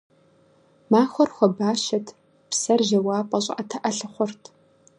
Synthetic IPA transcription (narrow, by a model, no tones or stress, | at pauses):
maːxʷɔrxʷɔbaːʃɐtʰ | psɐrʒɐwɑːpʼɔɕʼɐtʰɐʔɐɬɨχʷɔrtʰ